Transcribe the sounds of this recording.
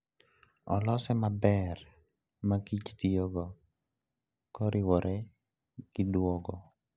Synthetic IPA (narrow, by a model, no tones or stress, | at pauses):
ɔ̰lɔsɛmabɛr | makit͡ʃt̪ijoɡɔ | kɔɾʔɪwɔɾʔɛ | ɡ̥ɪdwɔɡɔ